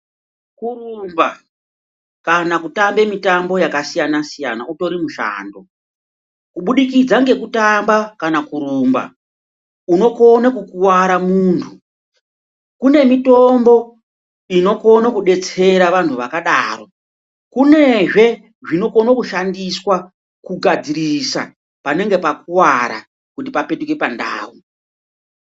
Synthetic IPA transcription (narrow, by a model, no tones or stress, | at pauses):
kurumba | kanakutambe̞mitambo̞jakasijanasija̰nauto̞ɾimuʃa̰ːndo̞ | kuɓuɗikid͡zaŋɡe̞kutambakanakuɾuːmba̰ | uno̞ko̞nakukuwaɾamuːntʰu | kune̞mito̞mbo̞ | ino̞ko̞nakuɗe̞t͡se̞ɾaʋantʰuʋakaɗaːro̞ | kune̞ʐe̞ | ʐino̞konokuʃandiswa | kuɡʱad͡zirisa̰ | pane̞ŋɡe̞pakuwaɾa̰ | kutipape̞tuke̞panda̰ːwu